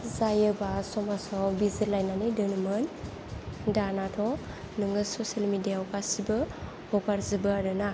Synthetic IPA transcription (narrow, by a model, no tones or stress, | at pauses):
zajɯbasɔmasɔbizilajnanidɯnɯmɯn | danatʰɔ | nɯŋɯsɔsalmidijaɔkasibɯ | hɔkaɾzibɯaɾɯna